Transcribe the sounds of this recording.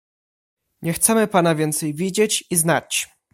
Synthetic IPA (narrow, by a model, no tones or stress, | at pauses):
ɲɛxt̪sɛmɘpanavʲjɛnt̪sɛjvʲid͡ʑet͡ɕiznat͡ɕ